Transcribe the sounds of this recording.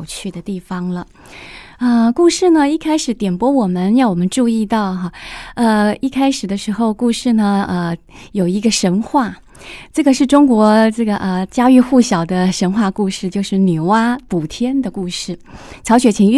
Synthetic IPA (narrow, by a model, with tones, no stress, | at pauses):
ʊt͡ɕʰy˥˩d̪ə˩t̪i˥˩fɑ˩ŋlə˨˩ | ə˧ku˥˧ʂɻ̩˥˩nə˩i˥˩kʰa˥ɪʂɻ̩˧˥t̪jɛ˨˩npwɔ˥wɔ˨˩mə˦njɑ˥˩ʊwɔ˨˩mə˦nʈ͡ʂu˥˧i˥˧t̪ɑ˥˩ʊxa˧˩ə˧i˥˩kʰa˥ɪʂɻ̩˨˩d̪ə˦ʂɻ̩˧˥xo˥˧ʊku˥˧ʂɻ̩˥˩nə˩ə˧ | jo˨˩ʊi˧˥ɡə˧ʂə˧˥nxwa˥˩ | ʈ͡ʂɤ˥˩ɡə˩ʂɻ̩˥˩ʈ͡ʂʊ˥ŋkwɔ˧˥ʈ͡ʂɤ˥˩ɡə˩ʔə˧t͡ɕja˥y˥˧xu˥˩ɕjɑ˨˩ʊd̪ə˦ʂə˧˥nxwa˥˧ku˥˧ʂɻ̩˥˧t͡ɕjo˥˧ʊʂɻ̩˥˩ny˨˩wa˥pu˨˩t̪ʰjɛ˥nd̪ə˨ku˥˧ʂɻ̩˥˩t͡sʰɑ˧˥ʊɕɥɛ˨˥˩t͡ɕʰi˧˥ŋy˥